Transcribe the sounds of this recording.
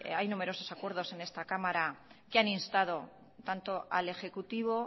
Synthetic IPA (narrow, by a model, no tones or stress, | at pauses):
ajnume̞ɾo̞so̞sakwe̞ɾð̞o̞se̞ne̞st̪akamaɾakeaninst̪að̞o̞ | t̪ant̪oa̰le̞xe̞kut̪iβ̞o̞